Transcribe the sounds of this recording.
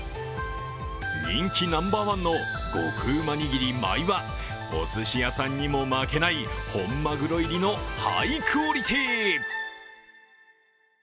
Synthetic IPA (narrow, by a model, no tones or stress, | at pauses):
ɲʲĩŋkʲinãmbaːmãnːo̞ | ɡ̥o̞̰kɯ̟ːmaɲʲiɡʲiɾʲima̰iβa | o̰sɨɕijasãɲ̟ʲːimo̞make̞naiho̞mːaɡɯ̟ɾo̞iɾʲinoha̰ikʰɯoɾʲit̪ʲi